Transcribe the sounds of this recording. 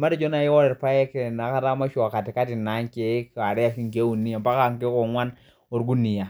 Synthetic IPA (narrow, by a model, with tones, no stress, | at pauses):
ma˦da˨d͡ʒo˦na˨ji˦wo˦ɾe˨ɾpa˦je˦ke˨na˨ka˦ta˦ma˦ʃu˦˨a˨ka˨ti˨ka˦ti˨na˨˦ŋ˦ke˦ka˨ɾe˦ja˨ʃi˦ke˦wu˨nːi˦ja˨mpa˦ka˦˨ŋke˦ko˨ŋwa˦n | o˨ɾɡu˦ni˨ja˨